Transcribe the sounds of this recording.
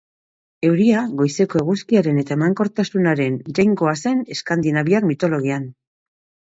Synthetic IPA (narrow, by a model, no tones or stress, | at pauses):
e̞wɾiaɣo̞jse̞ko̞e̞ɣ̞uskiaɾe̞ne̞t̪ae̞maŋko̞ɾt̪asunaɾe̞nɾajŋɡo̞ase̞ne̞skand̪inaβiakmit̪o̞lo̞ɣ̞ian